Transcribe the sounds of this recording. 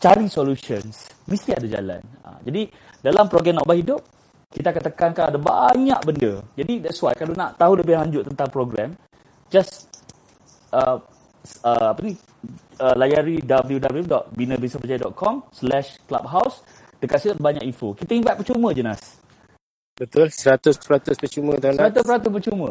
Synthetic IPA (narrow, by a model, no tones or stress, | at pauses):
t͡ʃaɾisoluʃəns | mist̪iadad͡ʒa̰la̰na̰d͡ʒadi | dalampɾoɡɾɛmnɔ̰ʔbahidʊp̚ | kit̪akant̪əkankaadaba̰ɲa̰ʔbəndəd͡ʒadidɛtswat̪̚kalonaʔt̪aɦuləpɪlaɲd͡ʒʊʔ̚t̪ənt̪aŋpɾoɡɾɛm | d͡ʒas | ʔə | əapəni | əlajaɾidabəljudabəljudɔʔ̚binə̃biŋsapəd͡ʒajadɔ̰t̪̚kʰɔmslɛʃkla̰p̚ɦaws | dəkat̪̚sidaʔbaɲaʔinfokit̪aiŋvat̪̚pət͡ʃumə̃d͡ʒəna̰s | bət̪ʊlsəɾat̪ʊsəɾat̪ʊspət͡ʃumə̃t̪andəɾat̪ʊspəɾat̪ʊspət͡ʃumə̰̃